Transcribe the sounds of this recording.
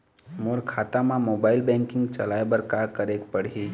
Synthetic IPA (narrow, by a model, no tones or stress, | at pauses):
moɾkʰaːt̪amãmoːbaːɪlbɛ̃ːŋkɪ̃ŋɡt͡ʃəlaːebəɾkakəɾeːkpəɽɦiː